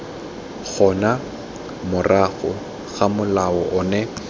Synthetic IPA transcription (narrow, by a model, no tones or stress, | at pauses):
ɣʰɔna | mʊrʔaɣʊ | ɣamʊlaɔʔɔnɛ